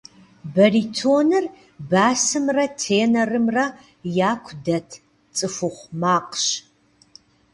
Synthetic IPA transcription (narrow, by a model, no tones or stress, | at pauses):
bɐriːtʰoːnɨr | baːsɨmrɐtʰeːnɐrɨmrɐ | jaːkʷʰdɐtʰ | t͡sʼɨfʊχʷmaːqɕ